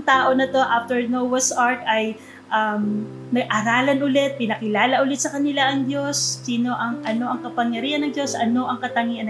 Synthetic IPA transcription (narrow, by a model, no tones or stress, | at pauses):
ŋt̪aːʔo̞nɐt̪o̞ʔaft̪ɛɹnowɐsʔaɹt̪ɐj | ʔɐm | nɐɡ̚ʔɐɾaːlɐnʔʊlɛt̪̚pɪnɐkɪlaːlɐʔʊlɪt̪̚sɐkɐnɪlaʔɐŋd̪jo̞sːiːno̞ʔɐŋʔɐno̞ʔɐŋkɐpɐŋjɐɾiːhɐnːɐŋd͡ʒjo̞sʔɐno̞ʔɐŋkɐt̪ɐŋiɐn